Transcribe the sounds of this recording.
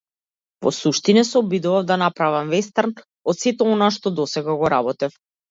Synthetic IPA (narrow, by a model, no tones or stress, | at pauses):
vɔ̰suʃt̪inɛsɛɔbid̪uvamd̪anapɾavamvɛst̪aɾn | ɔt̪sɛt̪ɛɔnaʃt̪ɔd̪ɔsɛɡaɡɔɾabɔt̪ɛf